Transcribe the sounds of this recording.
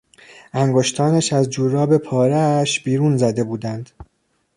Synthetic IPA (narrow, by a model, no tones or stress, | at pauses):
æŋɡoʃt̪ʰɒːnæʃæzd͡ʒuːɾɒːbe̞pʰɒːɾæʃb̥iːɾuːnzæd̪e̞buːd̪ænd̪̥